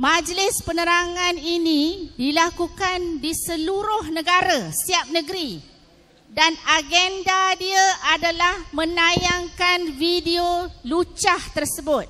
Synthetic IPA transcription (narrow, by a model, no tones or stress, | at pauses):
mãd͡ʒlɪspənəɾaŋãninĩdilakukandisəluɾʊhnə̃ɡaɾasiap̚nə̃ɡɾi | danaɡɛndadiəʔadalahmə̃najaŋkanvidiolut͡ʃaht̪ərsəbʊt̪̚